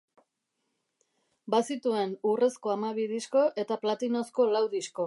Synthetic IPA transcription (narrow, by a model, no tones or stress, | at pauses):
basit̪ue̞nure̞sko̞amaβiðisko̞ʔe̞t̪aplat̪ino̞sko̞lawðisko̞